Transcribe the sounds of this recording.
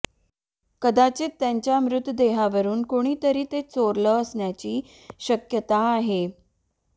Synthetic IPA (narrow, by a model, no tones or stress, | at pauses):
kəd̪at͡set̪ːjaɲt͡ɕamɾut̪d̪eɦaʋəɾuːnkoɽ̃iːt̪əɾiːt̪et͡soɾləəsɳjat͡ɕiː | ɕəkjət̪aːɦe